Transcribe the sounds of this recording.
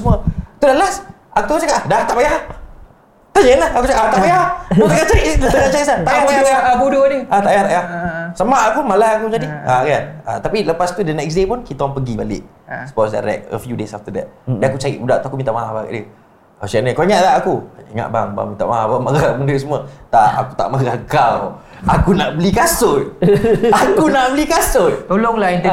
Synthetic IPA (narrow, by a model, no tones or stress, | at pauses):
smuət̪udaʔlas | aktuat͡ʃakaʔadaht̪aʔbajah | t̪aɲənlahakut͡ʃakaʔaht̪aʔbajahut̪əkaʔt͡ʃaɾiʔit̪ət̪əkaʔt͡ʃaisat̪aʔabajabudoniat̪aʔbajaht̪aʔjahsamaʔakumalahakud͡ʒadiaɡanat̪apiləpast̪udənɛks̬depunkit̪aaŋpəɡibalɪ̰ʔ | sə̥pɔsdaɾɛ̰k̚ə̰fjudesaft̪ədɛ̰t̪̚dɛnakut͡ʃaɾḭʔudaʔt̪uakumint̪aʔmaɦabaɡa̰ʔdiə | asaʔnəkaiŋaʔlaakuiŋa̰ʔba̰ŋba̰ŋmint̪a̰ʔmaabamaɡaməndɾiʔsəmuət̪aa̰kut̪a̰ʔmaɦaɡaw | akunaʔbəlikasʊt̪ | akunaʔbəlikasʊt̪t̪olʊŋlan